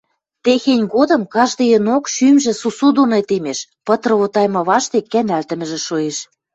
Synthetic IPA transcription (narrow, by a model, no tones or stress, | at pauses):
t̪exenʲɡod̪ɤ̆mkɑʒd̪ɤjə̆nokʃymʒĕsusud̪unet̪emeʃpɤ̆t̪rɤ̆βot̪ɑjmɤ̆βɑʃt̪ekːænælt̪ə̆mɘ̆ʒĕʃoeʃ